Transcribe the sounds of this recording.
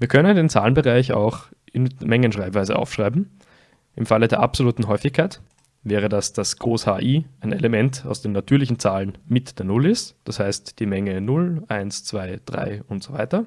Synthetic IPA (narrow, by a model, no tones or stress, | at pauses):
viːɐkʰœnəndeːnt͡sa̰ːlənbəʁaɪça̰ʊx | ɪnmɛŋənʃʁ̥aɪpvaɪzə̰ʔa̰ʊfʃʁ̥aɪbm̩ | ʔɪmfalədeːɐʔapzoluːtn̩ɦɔʏfɪçkʰaɪt | vɛːʁ̞ədasd̥asɡ̥ʁoːshaːʔiːʔaɪnelemɛntaʊsd̥eːnːatʰyːɐlɪçn̩t͡saːlənmɪtd̥eːɐnʊlɪstd̥ashaɪstd̥iːmɛŋənʊlʔaɪnst͡sv̥aɪd̥ʁa̰ɪʊntz̥ova̰ɪtɐ